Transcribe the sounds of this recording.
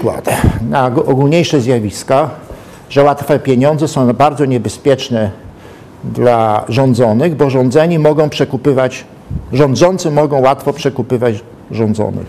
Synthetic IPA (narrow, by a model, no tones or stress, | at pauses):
kwa̰t̪naɔɡulɲejʂɛzʲjavʲiska | ʐɛwat̪fɛpʲjeɲɔ̃nd̪zɛsɔ̃w̃baɾd̪zɔɲɛbɛspʲjɛt͡ʂnɛ | d̪laʐɔnd̪zɔnɘɣbɔʐɔ̃nd̪zɛɲimɔɡɔ̃w̃pʂɛkupɘvat͡ɕ | ʐɔnd̪zɔnt̪sɘmɔɡɔ̃w̃wat̪fɔpʂɛkupɘvat͡ɕ | ʐɔ̃nd̪zɔ̰nɘ̰x